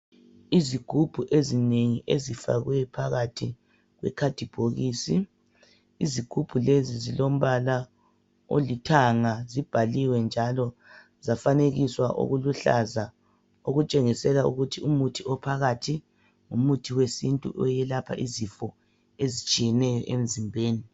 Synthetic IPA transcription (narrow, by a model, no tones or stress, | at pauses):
iziɡ̥ʱub̥ʱuʔezineŋiʔezifa̰ɣwɛpʰaɣatʰi | ɣwɛ̰kʰad̥ʱib̥ʱoɣiːsi | iziɡ̥ʱub̥ʱulezizilom̩βala | o̰litʰaŋazib̥ʱaliwɛnd͡ʒʱalɔ | zafaneɣiswaʔo̰ɣuluɬa̰za | oɣut͡ʃʼeŋisɛlaṵɣutʰiumutʰiɔpʰaɣatʰi | ŋumutʰiwesintʼṵʔɔjɛlapʰa̰ʔizifɔ | ezit͡ʃʼijɛnɛjɔʔem̩zimbʱeːni